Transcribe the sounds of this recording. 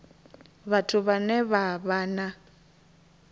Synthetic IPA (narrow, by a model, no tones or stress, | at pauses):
βatʰuβanɛβaβaːna